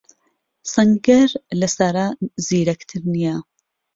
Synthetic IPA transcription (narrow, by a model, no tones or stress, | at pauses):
sɐŋɡɐɾlɐsaːɾaziːɾɐkt̪ʰɨɾnija